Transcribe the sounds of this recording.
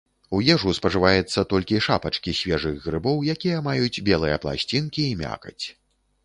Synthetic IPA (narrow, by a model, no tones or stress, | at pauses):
ujɛʐuspɐʐɨvajɛt̪sːɐt̪ɔlʲkʲiʂapɐt͡ʂkʲisʲvʲɛʐɨɣɣɾɨbɔwjakʲijɐmajud͡zʲbʲɛlˠɨjɐplˠa̰sʲt͡sʲinkʲiːmʲa̰kɐt͡sʲ